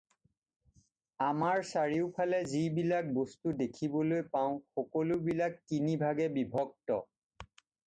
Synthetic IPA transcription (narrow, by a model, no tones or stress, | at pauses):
amaɹsaɹiʊpʰalɛzibilak̚bostudekʰibɔlojpaʊ̃xɔkɔlobilakːinibʱaɡɛbibʱɔk̚tɔ̰